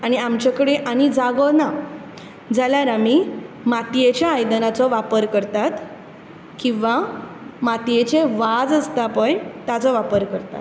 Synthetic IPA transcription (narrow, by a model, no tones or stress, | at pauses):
aɽ̃iamt͡ɕakəɽeʔaɽ̃id͡zaɡɔna | d͡zaljaɾami | mat̪ijet͡ɕjaːjd̪ənat͡sɔʋapəɾkəɾt̪at̪ | kĩw̃ʋamat̪ijet͡ɕeʋad͡zəst̪apə̃jt̪jat͡sɔʋapəɾkəɾt̪a̰t̪